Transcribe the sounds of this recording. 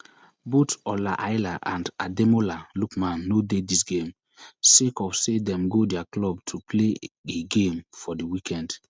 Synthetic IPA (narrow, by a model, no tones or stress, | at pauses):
botɔlaʔaɪlaʔãndademolalukmãnːodedisɡẽm | sekɔfsedɛ̃mɡodɛaklɔb̚tʰupʰleeɡẽmfɔdiwikʰɛ̃nd